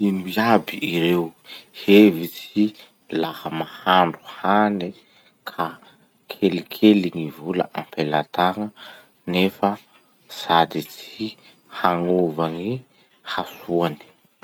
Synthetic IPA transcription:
inuiabiʔiɾewhevit͡si | lahamahaɳɖ͡ʐu̥hani | kʰa | kʰelikʰeliŋivulə̰ʔampʰelat̪aŋə | nefə | z̥ad̪it͡si | haŋovaŋi | hasuani̥

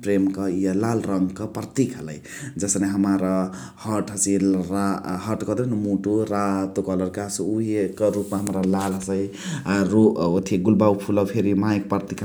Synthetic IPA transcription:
pɾemkʌielalɾʌŋɡkʌpɾt̪ikʰɦələj | d͡zʌsneɦəmaɾʌ | hʌʈɦʌsiɾaɦʌʈkʌd̪enmuʈuɾat̪ukʌlʌɾkasuɦekɾupmaɦəmɾalalɦəsəj | ɾuot̪ʰiɡulbawpʰulʌwpʰeɾimajk̚pɾt̪ikʰ

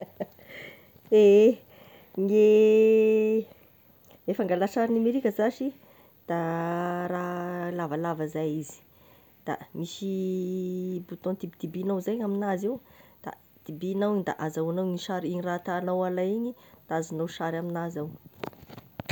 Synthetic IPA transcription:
e | ŋe | efaŋɡalaʃaɾinameɾikʲəzaʃi | d̪̥aɾalavalavazajizi̥ | d̪̥a̰misi | but̪õnt̪ipd̪̥ibinawzajɲaminazewd̪̥a̰ | d̪̥ibinawind̪a̰ʔazawanawniʃaɾinirat̪anawalajiɲid̪̥aazanawʃaɾaminazaw

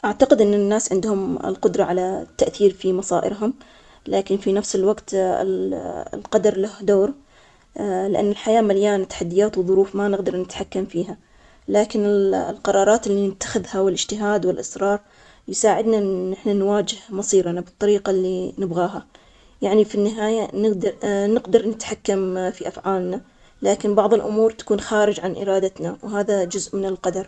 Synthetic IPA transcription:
ʔaʕt̪aqɪd̪ʔɪnːɪnːaːsʕɪnd̪hʊmɪ̰lqʊd̪ɾˤɑʕalat̪ːaʔθiːɾfimɑsˤɑːʔɪ̰ɾɦʊm | laːkɪnfinafsɪlwaɡt̪ɪ̰llqɑd̪ɑɾˤlahd̪oːɾ | lɪʔa̰nːɪlħajaːmaljaːnt̪ːaħad̪ːɪjaːt̪wðˤʊɾuːfmanɪɣd̪ɑɾˤnɪt̪ħakːamfiːɦa | laːkɪnɪllqɑɾˤɑːɾˤɑːt̪ɪlːinɪt̪ːḁxɪðhawɪlʔɪd͡ʒt̪ɪɦaːd̪wɪlʔɑsɾˤɑːɾˤ | jɪsaːʕɪd̪naʔɪħnanwaːd͡ʒɪhmɑsˤiːɾanabɨt̪ˤːɑɾiːqalːinɪbɣaːɦa | jaʕnifinːɪɦaːjanɪɡd̪nɪɡd̪ɑɾˤnɪt̪ħakːamfiʔafʕaːlna | laːkɪnbɑʕðˤɨlʔʊmuːɾt̪ḁkuːnxaːɾɪd͡ʒʕanʔɪ̰ɾɑːd̪at̪nawɦaːðad͡ʒʊzʔmɪnɪlqɑd̪ɑɾˤ

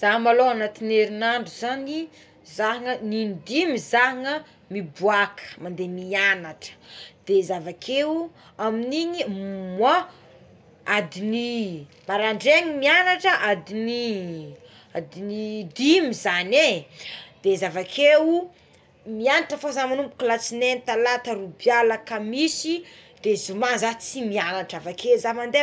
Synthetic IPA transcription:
z̥aɦmaloanat̪ineɾinaɳɖ͡ʐuzani | zaɦŋənind̪imizaɦŋə | mibuakʰə̥mand̪emianaʈ͡ʂə̥d̪̥ezavakʰe | aminiɲimwa | ad̪ini | maɾaɳɖ͡ʐeɲimianaʈ͡ʂəʔad̪ini | ad̪inid̪imizane | d̪̥ezavakʰewu | mianaʈ͡ʂəfozamanumpu̥kulat͡sinent̪alat̪əɾubjalakəmisid̪̥ezumazat͡simianaʈ͡ʂavakezamand̪e

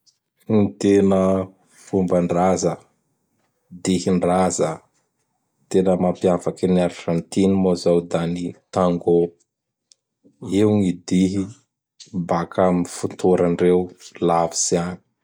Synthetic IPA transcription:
ŋit̪enə | fumbaɳɖ͡ʐazə | d̪ihiɳrazə | t̪enəmampiafakinaɾʒant̪inimozawd̪anit̪aŋɡo | iwŋid̪iɦi | bakʰamifunt̪ʰoɾanirewlavi̥siani̥

